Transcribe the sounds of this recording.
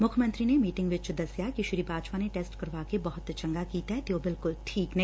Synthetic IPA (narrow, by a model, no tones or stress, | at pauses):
mʊkʰjmə̃nt̪ɾinemiːʈɪ̃ŋɡʋɪt͡ʃd̪ɐsjakiʃɪɾiːbaːd͡ʒpaneʈeːsʈkɐɾʋaːkebɐɦʊt̪t͡ʃɐ̃ŋɡakiːt̪aɦɛt̪joːbɪlkʊlʈʰiːknɐɦ